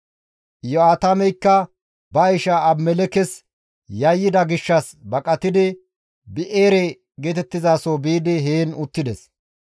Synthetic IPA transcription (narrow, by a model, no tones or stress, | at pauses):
jɔaːt̪ɐmɛjkːɐ | bɐɪʃɐːmːɛlɛkɛs | jɐjːɪd̪ɐɡɪʃːɐs | bɐkʼɐt̪ɪd̪ɪ | bɪʔeːɾɛ | ɡeːt̪ɛt̪ːɪzaːsobiːd̪ɪɦeːnʊt̪ːɪd̪ɛs